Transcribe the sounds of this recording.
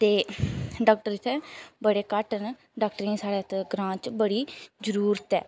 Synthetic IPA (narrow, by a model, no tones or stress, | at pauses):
t̪eːɖaːk̚ʈəɾɪt̪ʰːɛbəɽeːkəʈən | ɖaːk̚ʈəɾĩːsaːɽeːt̪ɡɾãːt͡ʃbəɽiːd͡ʒəɾuːɾət̪ɛː